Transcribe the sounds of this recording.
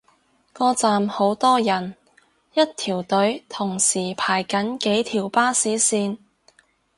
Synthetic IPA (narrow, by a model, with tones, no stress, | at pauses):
kɔː˧t͡saː˨mho˨˥wt̪ɔː˥jɐ˨˩n | jɐ˥t̚t̪ʰiː˨˩wt̪ɵ˨˥ɥt̪ʰʊ˨˩ŋsiː˨˩pʰaː˨˩jkɐ˨˥nke˨˥jt̪ʰiː˨˩wpaː˥siː˨˥siː˧n